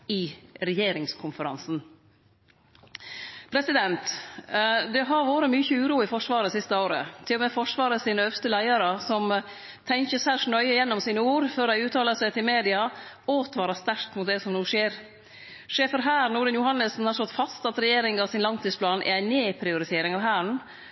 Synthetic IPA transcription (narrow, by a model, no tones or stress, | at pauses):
ɪɾɛjeːɾɪŋskʰʊnfəɾɑ̰nsn̩ | pʰɾɛsɪd̪ɛnt̪ | d̪ɛɦɑɾʋoːɾəmyːçəʉːɾuːɪfɔʂʋɑːɾəsɪst̪əoːɾə̰t̪ʰɪlɔmɛfɔʂʋɑːɾəsiːnəœʋst̪əlæɪɑɾəsɔm | t̪ʰɛŋçəsæʂɳœʏɪjɛnːɔmsiːnəuːɾføːɾæɪʉːt̪ʰɑːləsɛt̪ʰɪlmeːd̪ɪɑ | oːt̪ʰʋɑːɾɑst̪æɾkt̪mʊt̪̚d̪ɛsɔmnuːʂeːɾ | ʂeːfəɾɦæːɾnʊːɖənjʊhɑnːəsn̩hɑɾst̪ɔt̪fɑst̪ɑt̪ɾɛjeːɾɪŋɑʋsɪnlɑŋt̪ʰiːspʰlɑːnʔɛ̰æɪneːpʰɾɪʊɾɪt̪ʰeːɾɪŋɑʋɦæːɳ̩